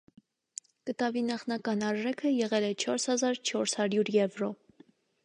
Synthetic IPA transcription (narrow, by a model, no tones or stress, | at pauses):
kət̪ɑvinɑχnɑkɑnɑɾʒɛkʰəjɛʁɛlɛt͡ʃʰɔɾshɑzɑɾt͡ʃʰɔɾshɑɾjuɾjɛvɾɔ